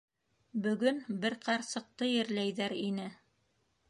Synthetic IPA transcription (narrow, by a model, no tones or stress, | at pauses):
bɵ̆ɡɵnbɘɾqɑɾsɤ̆q̚t̪ɤjɘ̆ɾlæjðæɾinɘ